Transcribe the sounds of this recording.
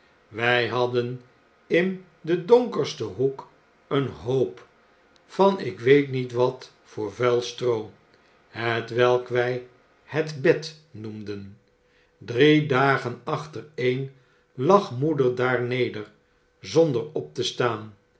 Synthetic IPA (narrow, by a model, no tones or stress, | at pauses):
ʋɛjɦɑdən | ɪn | dədɔŋkəɹstəɦuk | ənɦowp | fɑnɪkʋejtnitʋɑt | fʊːɹvɛlˠstro | ɦətʋɛlˠkʋɛj | hətbɛt | numdən | dridaːχənɑχtərejn | lɑχmudəɹdaːɹnejdəɹ | zɔndəɹɔp̚təstaːn